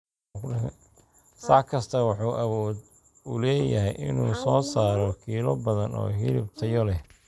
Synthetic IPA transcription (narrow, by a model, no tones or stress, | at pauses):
sɐʕkʰɐst̪ʰɐwɑħuːʔɐwɔːd̪ | ʊlɛːjɐɦɛjʔɪ̰nuːsɔːsaːɾɔkʰiːlɔbɐðɐnɔ̰ːɦɪlɪb̚t̪ʰɐjɔlɛ